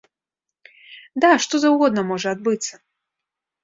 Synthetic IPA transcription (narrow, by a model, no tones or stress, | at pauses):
d̪aʂt̪ɔzɐwɣɔd̪̚nɐmɔʐɐad̪̚bɨt̪sːɐ